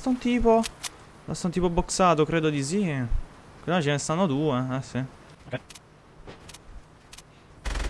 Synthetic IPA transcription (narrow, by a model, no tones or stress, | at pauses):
st̪aunt̪iːpo | a̰st̪aunt̪iːpoboksaːt̪okɾeːd̪od̪is̬i | kzanːat͡ʃɛnest̪anːot̪uːeɛsi